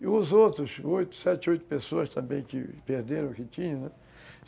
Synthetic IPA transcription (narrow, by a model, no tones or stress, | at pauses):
ɪʊzowt̪ɾʊsojt̪ʊ̥sɛt͡ʃojt̪ʊ̥pesoɐst̪ɐ̃mbẽj̃kɪ̰peɾd̪eɾɐ̃kɪt͡ʃ̪ĩɲɐ̃nɛ